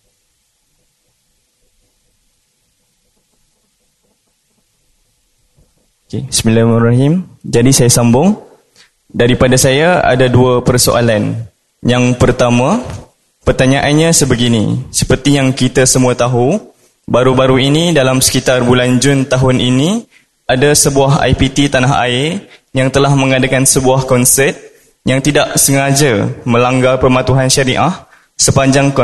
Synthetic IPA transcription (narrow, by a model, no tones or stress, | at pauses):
okesmilamraɦimd͡ʒadisajasambʊŋ | daɾipadasajaa̰daduapərso̰ʔa̰lan | jaŋpərt̪amã | pərt̪aɲaʔanɲãsəbəɡinḭsəpərt̪ijaŋkit̪asəmũat̪aɦu | baɾubaɾuinidalamsə̥kit̪arbuland͡ʒʊnt̪aɦʊnʔini | adasəbuaɦa̰jpit̪it̪anaɦa̰ɪrjaŋt̪əlahmə̃ŋadakansəbuahkɔnsɛt̪̚ | jaŋt̪idaʔsəŋad͡ʒamə̃laŋɡarpərmat̪uɦanʃaɾiʔah | səpaɲd͡ʒaŋkɔ